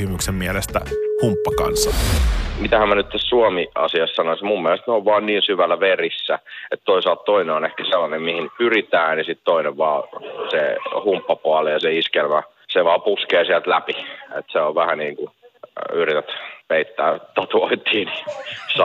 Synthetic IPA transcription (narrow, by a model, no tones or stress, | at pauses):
imyksemmiælest̪æ̰humpːɑkɑ̰nsːɑmit̪æhæmænyt̪t̪æssuomiɑ̰siɑssɑnoismumːiælest̪neoʋʋɑːnniːnsyʋælːæʋerisːæet̪t̪oisɑlt̪t̪oineonehkæselːɑnemmihinpyrit̪æːnjɑsit̪t̪oineʋʋɑːsehumpːɑpuɑlejɑseiskelmæ | seʋɑːpuskeːsiælt̪læpiḛt̪seoʋʋæhæniːŋku | yrit̪et̪peit̪ːæːt̪ːɑt̪uoit̪ːˑiːnis